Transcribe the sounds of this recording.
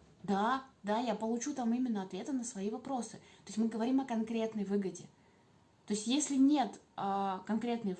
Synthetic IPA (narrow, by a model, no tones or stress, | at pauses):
d̪ad̪ajapəlˠʊt͡ɕut̪amimʲɪnːəɐt̪vʲe̞t̪ənəsvɐivɐpɾo̞sɨt̪oɪsʲmɨɡəvɐɾʲimɐkɐnkɾʲe̞t̪nəjvɨɡədʲɪ | t̪o̞ɪsʲtʲjesʲlʲɪnʲe̞t̪əkɐnkɾʲe̞t̪nɨj